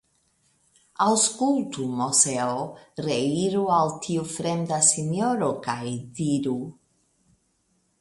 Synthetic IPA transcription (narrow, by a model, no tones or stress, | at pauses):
awskult̪umoseoreiɾualt̪ʰiufɾend̪asinoɾokajd̪iɾu